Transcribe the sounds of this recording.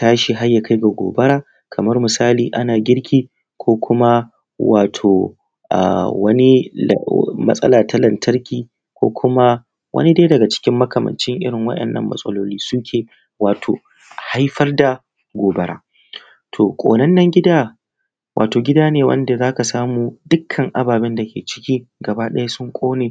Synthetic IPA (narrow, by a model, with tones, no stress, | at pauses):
taː˦ʃi˨ɦa˦jːa˨kʰa˦jɡa˨ɡʷo̰ː˨bɐ˦ɾaː˦ | kʰɐ˨mɐ˦rmʊ˨saː˦liː˨ʔa˦naː˨ɡʲɪ˦ɽkʲʰiː˦ | kʷoː˦kʷʊ˦ma˦ | wa̰ː˨tʰoː˨ | ʔa̰˨wɐ˦nḭ˦˨ | mɐ˦sʼɐ̰˦laː˨tʰa˦lɐ˨ntʰɐ˦rkʲiː˨ | kʷo̰ː˦kʰʷʊ˦ma˦ | wʔɐ̰˦ni˦deː˦dɐ˨ɡa˨t͡ʃɪ̥˦kʲɪ˦mːɐ˦kʰɐ˨mɐ̰˨nt͡ʃɪ˦ŋʔɪ̰˦ɽɪ˨ŋwɐ̰˦ɗɐ̰˨nːɐ̰˦mːɐ̰˨sʼɐ̰˦loː˦liː˦sʊ˦kʲʰeː˨ | waː˨tʰo̰ː˨ | ha˦jɸɐ˦rda˨ | ɡʷoː˨bɐ˦ɽa̰ː˦ | tʰoː˨kʷʼo̰ː˨nɐ˦nːɐ˨ŋɡʲɪ˦daː˦ | wʔa̰ː˨toː˨ɡʲɪ˦daː˦neː˨wɐ̰˦nda˨zaː˦ka˨saː˦muː˨dʊ˦kʰːɐ˨ŋʔa˦baː˨bɛ˦nda˨kʲʰḛː˨t͡ʃɪ̥˦kʲiː˦ɡɐ˨baː˦ɗɐ˦ja˦sʊ˦ŋkʷʼoː˦neː˨